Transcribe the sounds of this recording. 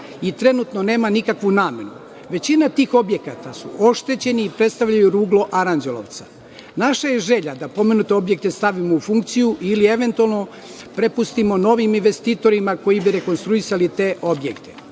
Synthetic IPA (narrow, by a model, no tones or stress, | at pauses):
it̪ɾe̞nut̪no̞ne̞ːmanikakʋunaːme̞nu | ʋe̞t͡ɕinat̪iːxo̞bje̞kat̪asuʔo̞ʃt̪e̞t͡ɕe̞niːpɾe̞t̪st̪aʋʎajuɾuːɡlˠo̞ʔaɾand͡ʒelo̰ʋt̪sḁ | naʃaje̞ʒe̞ʎad̪apo̞me̞nut̪e̞o̞bje̞k̚t̪e̞st̪aʋimo̞ufuŋk̚t̪sijuʔilie̞ʋe̞nt̪ualˠno̞ | pɾe̞pust̪imo̞no̞ʋiminʋe̞st̪iːt̪o̞ɾimako̞jibiɾe̞ko̞nst̪ɾuisalit̪e̞ːʔo̞bjekt̪ʰe